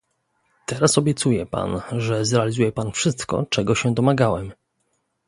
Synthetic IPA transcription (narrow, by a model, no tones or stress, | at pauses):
t̪ɛɾasɔbʲjɛt̪sujɛpa̰nʐɛzɾɛalʲizujɛpanfʂɘst̪kɔ̰t͡ʂɛɡɔɕɛd̪ɔmaɡawɛm